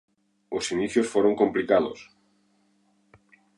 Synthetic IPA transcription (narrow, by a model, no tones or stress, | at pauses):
osiniθjosfoɾoŋkomplikaðos